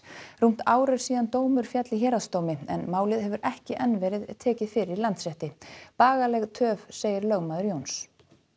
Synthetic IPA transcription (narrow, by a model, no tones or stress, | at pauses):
rum̥t̪aːwɾɛɾ̥siːðant̪oːwmʏɾ̥fjat̪lɪçɛːɾast̪oːwmɪɛnmaːwlɪðɦɛvʏɾʔɛhcɪʔɛnvɛːɾɪðɛðt̪ʰɛːcɪðfɪɾɪɾlant̪sɛht̪ɪpaːɣalɛɣt̪ʰœːvseːjɪɾlœɣmaːðʏɾjoːwns